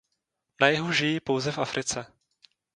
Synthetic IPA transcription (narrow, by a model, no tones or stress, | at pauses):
najɛɦuʒɪjɪpowzɛfafɾʔɪt͡sɛ